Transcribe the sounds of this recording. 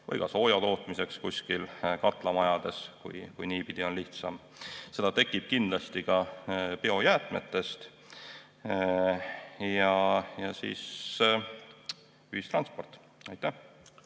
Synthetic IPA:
vɤ̰jɡ̥ɑ̰so̞ːjɑt̪o̞ːt̪ˑmise̞kskusʲkilkɑt̪ˑlɑmɑjɑd̪̥e̞skṵjkujniːpid̪̥io̞nliht̪sɑ̰m | se̞d̪̥ɑt̪e̞kːˑib̥̚kind̪lɑst̪ikɑpeo̞jæːt̪ˑme̞̰t̪ːˑe̞st̪ | jɑjɑsḭːs | yhist̪rɑnspo̞rt̪ːˑ | ɑjt̪ːˑæh

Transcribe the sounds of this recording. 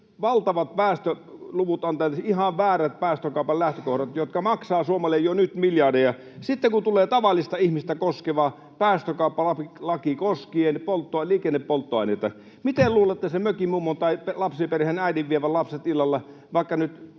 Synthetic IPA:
ʋɑlt̪ɑʋɑt̪̚pæːst̪ø | luʋut̪ɑnt̪ɑjɑt̪ihɑʋʋæːræt̪̚pæːst̪økɑˑupɑllæht̪økohɾɑt̪jot̪kɑmɑksɑːsuomɑlːejjonyt̪miljɑdijɑ | sit̪ːeŋkut̪uleːt̪ɑʋɑlːˑist̪ɑihmist̪ækoskeʋɑ | pæːst̪økɑˑupːɑlɑpilɑkikoskienpolt̪ːoliːkenːeppolt̪ːoɑˑinet̪ːɑ | mit̪elluːlet̪ːæsemøkimuːmːont̪ɑipelɑpsiperhenæidiʋʋieʋællɑpset̪ilːɑlːɑ | ʋɑˑikːɑnyt̪

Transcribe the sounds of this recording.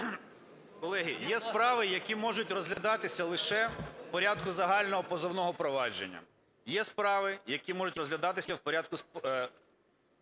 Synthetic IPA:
kɔlˠɛɦʲijɛspɾɑʋɪjɐkʲimɔʒʊtʲrɔzɦlʲɐd̪ɑt̪ɪsʲɐlˠɪʃɛwpɔɾʲad̪̚kʊzɐɦɑlʲnɔɦɔpɔzɔwnɔɦɔpɾɔʋɑd͡ʒḛnʲːɐ̰ | jɛspɾɑʋɪjɐkʲimɔʒʊtʲrɔzɦlʲɐd̪ɑt̪ɪsʲɐwpɔɾʲad̪̚kʊs

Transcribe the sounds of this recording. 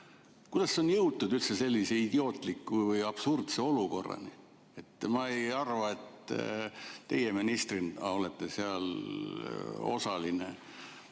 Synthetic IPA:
kujd̪̥ɑsːeo̞njɤwt̪ːud̪ylt̪sese̞lʲːiseid̪̥io̞ːt̪ˑlikːuvɯjɑb̥surt̪seo̞luko̞̰rːɑ̰ni | e̞t̪ːmɑejɑrvɑe̞t̪ | t̪e̞jeminist̪rinɑo̞let̪ːeseɑl | o̞̰sɑline

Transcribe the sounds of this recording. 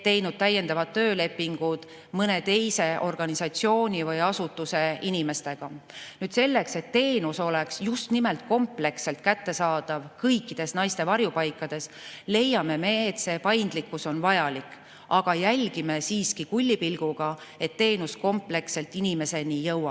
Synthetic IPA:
t̪e̞jnud̪̥̚t̪æjːe̞nd̪ɑvɑt̪t̪ːø̞ːle̞pːiŋɡ̥ud̪̥ | mɤne̞t̪e̞jse̞o̞rɡ̥ɑnisɑt̪sio̞ːnʲivɤjɑsut̪ːuse̞inime̞st̪e̞ɡ̥ɑnyːd̪̥se̞lːe̞kse̞t̪ːe̞ːnuso̞le̞ksjust̪nime̞lt̪̚ko̞mple̞kse̞lt̪̚kæt̪ːe̞sɑːd̪̥ɑvkɤjkːid̪̥e̞snɑjst̪e̞vɑrjupɑjkːɑd̪̥e̞sle̞jːɑme̞me̞ːt̪se̞pɑjnd̪likːuso̞nvɑjɑlik | ɑɡ̥ɑjælʲɡ̥ime̞siːskikulʲːipilɡ̥uɡ̥ɑe̞t̪ːe̞ːnusko̞mple̞kse̞lt̪ːˑinime̞se̞nijɤwːɑ

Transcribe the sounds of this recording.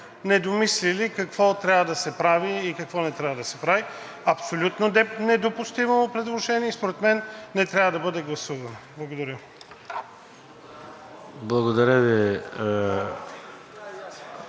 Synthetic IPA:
nɛd̪omislilikɐkv̥ɔt̪ɾʲavəd̪ɐsɛpɾaviːkɐkvɔnɛt̪ɾʲavɐd̪ɐsɛpɾavi | ɐpsolʲut̪nod̪ɛnɛd̪opust̪imopɾɛd̪lˠoʒɛnʲiɛispoɾɛt̪mɛnːɛt̪ɾʲavəd̪ɐbɤd̪ɛɡlˠɐsuvɐnoblˠɐɡod̪ɐɾʲə | blˠɐɡod̪ɐɾʲəvi

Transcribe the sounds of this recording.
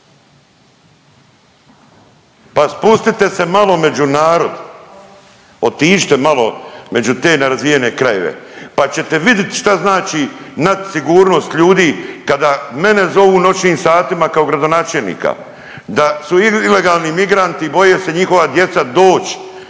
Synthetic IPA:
paspust̪it̪e̞se̞malo̞me̞d͡ʒunaːɾo̞d̪ | ot̪iːʃt̪emalome̞d͡ʒut̪e̞ːnaɾazʋije̞ne̞kɾajeʋḛpat͡ɕe̞t̪e̞ʋid̪jet̪ʃt̪aznaːt͡ʃinad̪siɡuːɾno̞ːst̪ʎuːd̪iːkad̪aːme̞ne̞zo̞ʋuːno̞t͡ʃniːmsaːt̪imakao̞ɡɾad̪o̞naːt͡ʃelnḭːka̰ | d̪asuiile̞ɡaːlˠnimiɡɾant̪ibo̞jese̞ɲixo̞ʋad̪je̞t̪sad̪o̞ːt͡ʃ

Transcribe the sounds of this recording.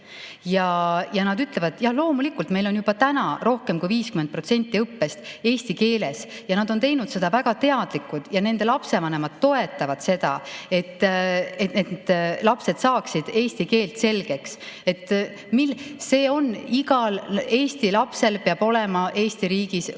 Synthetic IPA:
jɑjɑnɑd̪yt̪le̞vɑd̪jɑhlo̞ːmulikːˑult̪me̞jlo̞njub̥ɑt̪ænɑɾo̞hkemkujviːskyment̪̚pro̞t̪se̞nʲt̪ˑːiɤpːe̞st̪e̞ːst̪ike̞ːle̞sjɑnɑd̪̥o̞nt̪e̞jnud̪̥se̞d̪̥ɑvæɡ̥ɑt̪e̞ɑd̪̥likːud̪̥jɑne̞nd̪̥e̞lɑpse̞vɑne̞mɑd̪̥t̪ːo̞e̞t̪ːˑɑvɑd̪̥se̞d̪̥ɑe̞t̪ːet̪ned̪d̪̥lɑpse̞d̪̥sɑːksid̪̥e̞ːsʲt̪ike̞ːlt̪se̞lɡ̥e̞kse̞t̪ːˑ | mise̞ːo̞niɡɑle̞ːsʲt̪ilɑpse̞lpeɑb̥o̞lemɑʔe̞ːst̪iɾiːɡ̥is

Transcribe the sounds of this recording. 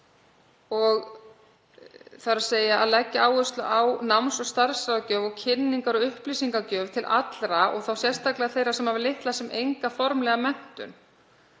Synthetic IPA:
ɔɣ | θaɾaseːjaa̰ðlɛcːaaːwɣʏst̪lʏʔawnamsɔɣst̪aɾ̥sɾaðcœːvɔɣcʰɪnːiŋkaɾɔɣʏhplisiŋkacœːvt̪ʰɪlʔa̰t̪lɾaɔ̰ɣθawsjɛr̥st̪ʰaklɛaθejɾasɛmhavɪlɪht̪lasɛmejŋkafɔɾmlɛɣamɛn̥t̪ʏ̰n

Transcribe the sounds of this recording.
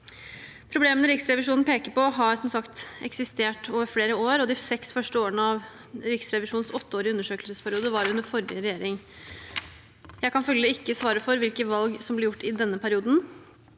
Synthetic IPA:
pʰɾʊbleːmənəɾɪksɾɛʋɪʂ̬uːnn̩pʰeːkəɾpɔɦɑɾsɔmsɑkt̪ɛksɪst̪eːʈoːʋəɾfleːɾəoːɾɔd̪ɪsɛksfœʂʈəoːəɳəɑʋ | ɾɪksɾɛʋɪʂuːnn̩sɔt̪ːəoːɾɪʉnːəʂøːkəlsəspʰæɾɪuːd̪əʋɑɾʉnd̪əɾfɔɾɪəɾɛjeːɾɪŋ | jæɪkɑnfœlːəəɪkːəsʋɑːɾəfɔɾʋɪlkəʋɑlɡsɔmblɪɾjʊʈːɪd̪ɛnːəpʰæɾɪuːd̪n̩

